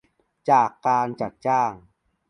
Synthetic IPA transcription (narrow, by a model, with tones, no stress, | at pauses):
t͡ɕaː˨˩kːaː˧nt͡ɕa˨˩t̪̚t͡ɕaː˥˩ŋ